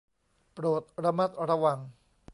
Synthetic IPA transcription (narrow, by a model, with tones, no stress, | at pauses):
pɾoː˨˩t̪̚ɾa˧ma˦˥t̪̚ɾa˧wa˧n